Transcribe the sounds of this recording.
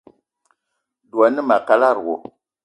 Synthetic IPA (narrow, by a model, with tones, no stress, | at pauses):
du˨a˨ni˦ma˨ka˦la˦˨ɾwo̰˨